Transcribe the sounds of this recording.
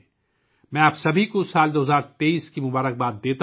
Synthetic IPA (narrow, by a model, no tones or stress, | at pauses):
mɛ̃ːaːpsɐbʱikosaːld̪oːɦzaːɾt̪eːiːskimʊbaːɾək̚baːt̪̚d̪eːt̪a